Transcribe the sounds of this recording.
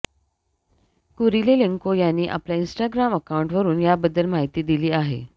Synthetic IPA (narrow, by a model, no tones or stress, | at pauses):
kuɾileleŋkojanːiːʔa̰pljainsʈaɡɾaməkawɳʈʋəɾuːnjabəd̪ːəlm̤aɦit̪iːd̪iliːaɦḛ